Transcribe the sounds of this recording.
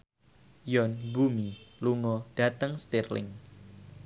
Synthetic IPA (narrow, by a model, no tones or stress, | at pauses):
jɔnbumiluŋɔd̥at̪əŋst̪irlɪ̰ŋ